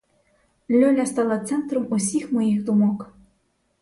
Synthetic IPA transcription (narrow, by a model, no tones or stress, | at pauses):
lʲɔlʲɐst̪ɑlˠɐt̪sɛnt̪ɾɔmusʲixmɔjixd̪umɔk